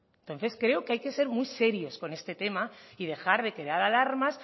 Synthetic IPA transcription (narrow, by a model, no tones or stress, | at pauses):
nt̪onθe̞skɾe̞okeajke̞se̞ɾmujse̞ɾjo̞sko̞ne̞st̪e̞t̪e̞maið̞e̞xaɾð̞e̞keðaɾalaɾmas